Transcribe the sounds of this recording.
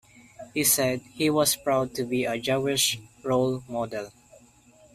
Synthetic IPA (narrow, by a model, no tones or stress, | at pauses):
hisɛd̚hiwɔspɹaʊd̚tubiəd͡ʒawɪʃɹolmɔdɛl